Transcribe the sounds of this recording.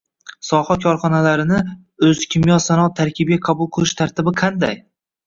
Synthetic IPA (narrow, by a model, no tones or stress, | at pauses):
sɒhɒkʲʰɒɾχɒnalaɾɪnɪ | ɵzkʲʰɪmjɒsanɒt̪ʰaɾkʲʰɪbɡʲaqʰɑbʊlˠqʰɨlˠɪʃt̪ʰaɾt̪ɪbɪqʰɑnd̪a̰j